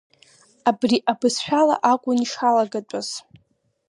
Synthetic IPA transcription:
abriʔabɨsħʷᶣala̰ʔakʷʼʊniʂalaɡat͡pʷʼaz̥

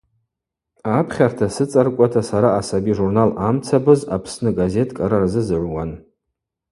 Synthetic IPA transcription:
apʰχʲartʰasɨt͡sʼarkʷʼatʰasaɾaːsabiʐurnalamt͡sʰabɨzapʰsnɨɡaze̞tʼkʼaɾarzɨzɨʕʷwan

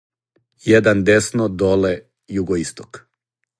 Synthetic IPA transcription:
jed̪and̪esnod̪ole | juɡoist̪ok

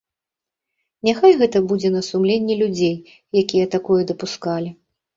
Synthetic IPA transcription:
nʲaxajɣɛt̪ɐbud͡zʲɛnɐsumlʲenʲːilʲud͡zʲej | jakʲijɐt̪akɔjɛd̪ɐpuskalʲi

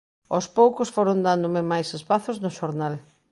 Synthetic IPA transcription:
ospowkʊsfoɾʊnd̪and̪ʊmɪmajsespaθʊznʊʃoɾnal

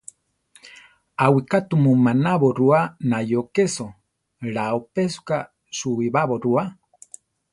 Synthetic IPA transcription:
awikat̪umumanaβoɾuanajokeso | ɺaopesu̥ka | suiβaβoɾua

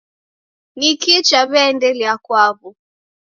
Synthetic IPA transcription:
nikit͡ʃaβɛndɛliakwaβɔ

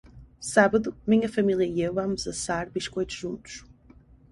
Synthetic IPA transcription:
saβɐðumĩɲɐfɐmilˠjɐiewvamʊzɐsaɾβiʃkojt̪u̥ʒũnt̪u̥ʃ

